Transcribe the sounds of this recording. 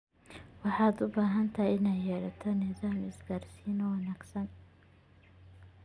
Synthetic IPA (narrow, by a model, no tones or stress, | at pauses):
wɑħɑːd̪ʊbaːɦɐnt̪ʰɐɪnɛjjɛɾɐt̪ʰɔnɪðaːmɪsɡaːrsiːnɔwɑnaːɡsɐn